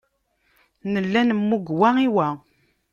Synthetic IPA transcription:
nəlːænəmːuɡwæiwæ

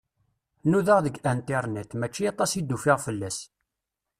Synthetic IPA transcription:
nuðəʁðəɡʔænt̪ɪɾˤnæt̪mæt͡ʃːiɑt̪ˤɑsid̪ːufɪʁfəlːæs

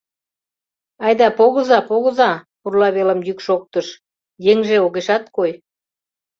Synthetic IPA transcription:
ɑjd̪ɑpoɣɤ̆zɑpoɣə̆zɑpurlɑβelə̆mjykʃok̚t̪əʃ | jeŋʒeoɣeʃɑt̪̚koj

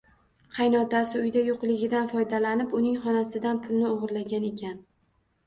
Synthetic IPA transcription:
qʰɑjnɒt̪asɪʊjd̪ajoqlɪɡʲɪd̪anfɒjd̪alanɪpʊnɪŋχɒnasɪd̪anpʰʊlnɪoʁɨɾlaɡʲane̞kʲʰan

